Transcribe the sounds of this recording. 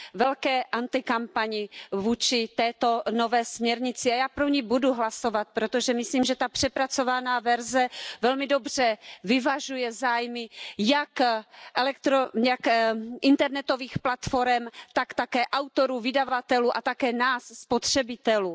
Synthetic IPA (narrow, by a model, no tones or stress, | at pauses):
vɛlkɛːʔant̪ɪkampaɲɪvuːt͡ʃɪt̪ɛːt̪o̞novɛːsmɲɛɾɲɪt͡sɪajaːpɾoɲibuduɦlaso̞vat̪̚pɾot̪o̞ʒɛmɪsliːmʒɛt̪apr̝̥ɛpɾat͡so̞vanaːvɛɾzɛvɛlmɪdobr̥ɛvɪvaʒujɛzaːjmɪjakʔɛlɛkt̪ɾojakʔɪnt̪ɛɾnɛt̪o̞viːxplat̪fo̞ɾɛmt̪akt̪akɛːʔawt̪oɾuːvɪdavat̪ɛluːʔat̪akɛːnaːsːpot̪r̝̥ɛbɪt̪ɛluː